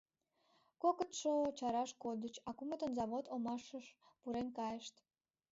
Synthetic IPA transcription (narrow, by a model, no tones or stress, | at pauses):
kokət̪ʃot͡ɕɑɾɑʃkod̪ət͡ɕɑkumət̪ənzɑβot̪omɑʃəʃ | puɾenkɑjəʃt̪